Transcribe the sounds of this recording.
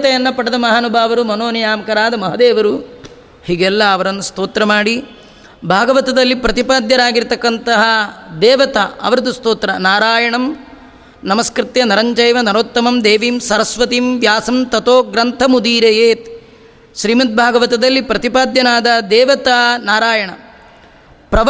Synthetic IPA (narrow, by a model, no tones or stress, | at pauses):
ɐt̪ɐjɐnːɐpɐɽɐd̪ɐmɐɦaːnubʱaːʋɐɾumɐnoːnɐjaːmkɐɾaːd̪ɐmɐɦɐd̪ɛːʋɐɾu | hiːɡɛlːɐːʋɐɾɐnːɐst̪oːt̪ɾɐmaːɽi | bʱaːɡɐʋɐt̪ɐd̪ɐlːipɾɐt̪ipaːd̪jɐɾaːɡiɾt̪ɐkːɐnt̪ɐɦɐd̪ɛːʋɐt̪ɐɐ̰ʋɐɾɐd̪ust̪oːt̪ɾɐnaːɾaːjɐɳɐm | nɐmɐskɾɪt̪jɐnɐɾɐɲt͡ʃɐjʋɐnɐɾoːt̪ːɐmɐmd̪eːʋiːmsɐɾɐsʋɐt̪iːmʋjaːsɐmt̪ɐt̪oːɡɾɐnt̪ʰɐmud̪iːɾɐjeːt̪ | ʃɾiːmɐt̪̚bʱaːɡɐʋɐt̪ɐd̪ɐlːipɾɐt̪ipaːd̪jɐnaːd̪ɐd̪ɛːʋɐt̪aːnaːɾaːjɐɳɐ̰ | pɾɐʋ